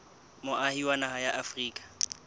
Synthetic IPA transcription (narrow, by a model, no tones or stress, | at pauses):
mʊʔahiwanahajaʔafriːkʼḁ